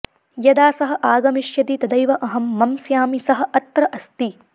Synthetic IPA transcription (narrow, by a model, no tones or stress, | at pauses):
jɐd̪aːsɐɦɐ̆ʔaːɡɐmiʃjɐt̪it̪ɐd̪ɐjʋɐʔɐɦɐmːɐmsjaːmisɐɦɐ̆ʔɐt̪ɾɐʔɐst̪i